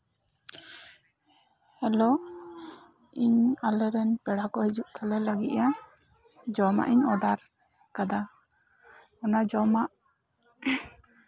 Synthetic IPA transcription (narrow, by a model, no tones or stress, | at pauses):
hɛlɔ | iɲalɛɾɛnpɛɽakɔhid͡ʒuʔt̪ʰalɛlaɡit̪̚ja | d͡ʒɔma̰ʔiɲɔɖaɾ | kad̪a | ɔnad͡ʒɔmaʔ